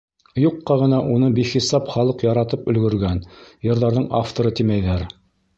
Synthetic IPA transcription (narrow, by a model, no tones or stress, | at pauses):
juqːɑʁɤ̆nɑʔunɤbiχisɑpχɑlˠɤqjɑɾɑt̪ɤpɵ̆lɡɵ̆ɾɡænjɤ̆ɾðɑɾðɤɴaft̪oɾɤt̪imæjðæɾ